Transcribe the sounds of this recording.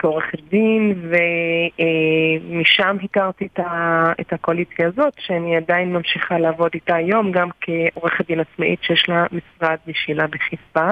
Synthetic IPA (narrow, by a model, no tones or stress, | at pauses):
keoʁeχed̪inve | miʃamɦikaʁt̪itaḛthakoalit͡sjaːzo̞tʃeaniadajinmamʃiχaleavo̞ditajo̞mɡamkʰeʔoʁeχadinat͡smaʔitʃejeʃlamisʁad̪̚biʃilabeχifa